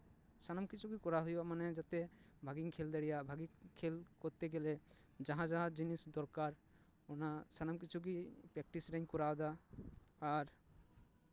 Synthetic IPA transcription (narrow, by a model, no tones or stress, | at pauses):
sanamkit͡ʃʰuɡikɔɾaɦujɔmanɛd͡ʒat̪ɛbʱaɡiŋkʰɛld̪ɛɽijabʱaɡikʰɛlkɔɾt̪ɛɡɛlɛd͡ʒaɦãd͡ʒaɦãd͡ʒinisd̪ɔɾkaɾ | ɔnasanamkit͡ʃʰuɡipɾɛk̚ʈisɾɛɲkɔɾawd̪aː | ɾ